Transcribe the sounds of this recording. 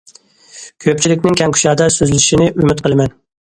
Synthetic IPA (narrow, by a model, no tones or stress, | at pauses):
kʲʰøp̚t͡ʃʰilɪkʲnɪŋkʲʰɛŋkʲʰy̥ʃɑːd̪ɑsøzlɪʃinɪʔymyt̪qʰəlˠɨmɛn